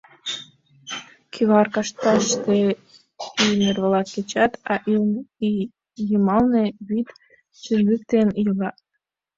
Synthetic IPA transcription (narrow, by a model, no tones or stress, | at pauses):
kʲʰiβɑrkɑʃt̪ɑʃt̪e | inerβɤ̆lˠɑt̪̚ket͡ɕɑt̪ɑʔ | jɤmɑlnĕβit̪ | t͡ɕyrlʲyk̚t̪enjɤlɑ